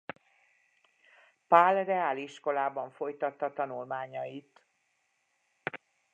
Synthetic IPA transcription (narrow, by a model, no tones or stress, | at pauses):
palrɛaːliʃko̞laːbɒɱfo̞jt̪ɒt̪ːɒt̪ɒnulmaːɲɒjit̪